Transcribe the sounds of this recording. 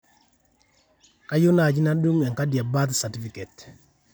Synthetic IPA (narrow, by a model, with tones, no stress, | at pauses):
ka˦jʊ˦na˨d͡ʒi˦na˦du˦ŋɛ˨ŋka˦dja˨ba˦t̪sa˨ti˦fi˨kɛ˨t